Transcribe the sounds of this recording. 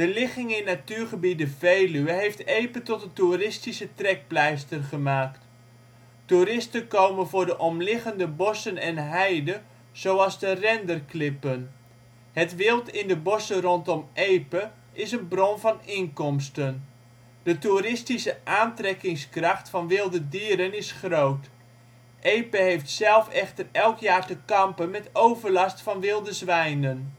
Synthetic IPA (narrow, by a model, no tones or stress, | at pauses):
d̥əlɪχɪŋɪnatyːrχəbidəvejlyəɦejftejpətɔtəturɪstisətrɛk̚plɛjstərχəmaːkt | tuɾɪstənkowmənvʊːrdəʔɔmlɪχəndəbɔsənɛnɦɛjdə | z̥owɑlˠzdərɛndərklɪpən | hətʋɪlˠtɪndəbɔsərɔntɔmʔejpə | ʔɪsənbrɔnvɑnɪŋkɔmstən | d̥ətuɾɪstisəʔaːntrɛkɪŋskrɑxtfɑnʋɪlˠdədiːəɾənɪsχrowt | ʔejpəɦejftsɛlˠfɛχtərɛlˠkjaːrtəkɑmpənmɛtowvərlɑstfɑnʋɪlˠdəzʋɛjnən